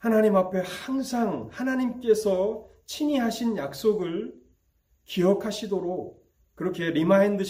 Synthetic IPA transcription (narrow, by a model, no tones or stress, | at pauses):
hanaɲimapʰe̞haŋsʰaŋhanaɲimk͈e̞sʰʌ | t͡ɕʰiɲiɦaɕʰinjak̚s͈oɡɯɭ | kiʌkʰaɕʰidoɾok̚ | kɯɾʌkʰe̞ɾimaindɯɕ